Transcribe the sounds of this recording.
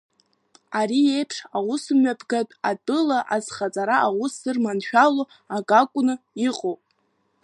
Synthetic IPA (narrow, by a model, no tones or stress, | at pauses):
aɾie̞jpʰʂawʊsɨmɥapʰɡatʼatʼɨlaʔazχat͡sʼaɾaʔawusɨrmanʃᶣalo | aɡakʷʼʊnɨiqʼowpʼ